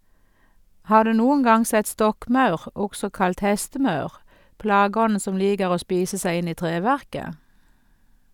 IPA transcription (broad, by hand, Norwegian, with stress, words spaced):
ˈhɑːʁ ˈdʉː ˈnuːʊŋ ˈɡɑŋ ˈsɛt ˈstɔkˌmɑʉʁ ˈɔɡsɔ ˈkɑlt ˈhɛstəˌmɑʉʁ ˈplɑːˌɡɔn̩ ˈsɔm ˈliːɡəʁ ˈoː ˈspiːsə ˈsæɪ ˈɪn ˈiː ˈtʁeːˌʋæʁkə